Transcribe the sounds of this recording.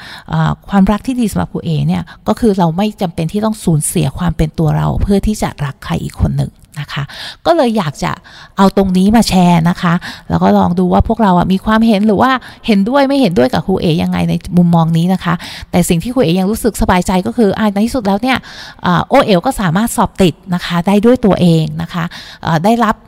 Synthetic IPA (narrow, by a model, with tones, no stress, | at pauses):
ʔə̰ː˨˩kʰwaː˧mɾa˦˥k̚t̪ʰiː˥˩diː˧sa˨˩˦mɾa̰˨˩kʰuː˧ʔeː˨˩ni˥˩ɐkɔː˥˩kʰɯː˧ɾa˧wma˥˩jt͡ɕa˧mpe˧nt̪ʰiː˥˩t̪ɔ˥˩ŋsuː˨˩˦nsi˨˩˦ɐkʰwaː˧mpe˧nt̪u˧ɐɾa̰˧wpʰɯ˥˩ɐt̪ʰiː˥˩t͡ɕa̰˨˩ɾa˦˥kʰːa̰˧jʔḭː˨˩kʰːo˧nːɯ̰˨˩ŋna˦˥kʰa˦˥kɔː˥˩lɤː˧jːaː˨˩k̚t͡ɕa̰˨˩ʔa˧wt̪o˧ŋniː˦˥maː˧t͡ɕʰɛː˧na˦˥kʰa˦˥lɛː˦˥wkɔː˥˩lɔ̰ː˧ŋduː˧waː˥˩pʰu˥˩k̚ɾa˧wʔa̰˨˩miː˧kʰwaː˧mɦe˨˦nɾɯː˩˦waː˥˩he˨˦ndu˥˩əjma˥˩jhe˨˦ndu˥˩əjka˨˩kʰuː˧ʔeː˨˩ja˧ŋːa̰˧jna˧jmu˧mːɔː˧ŋniː˦˥na˦˥kʰa˦˥t̪ɛː˨˩si˨˩ŋt̪ʰiː˥˩kʰuː˧ʔeː˨˧ja˧ŋɾuː˦˥sɯ˨˩k̚sa˧baː˧jt͡ɕa˧jkɔː˥˩kʰɯː˧ʔa˧˩a˧t̪ʰiː˥˩su˨˩t̪̚lɛː˦˥wni˥˩ɐʔəː˨˩ʔoː˧˩ʔeː˨˩wkɔː˥˩saː˩˦maː˥˩t̪̚sɔː˨˩p̚t̪i˨˩t̪̚na˦˥kʰa˦˥daː˥˩jdu˥˩əjt̪u˧ɐʔeː˧ŋna˦˥kʰa˦˥ʔə̰ː˨˩daː˥˩jɾa˦˥p̚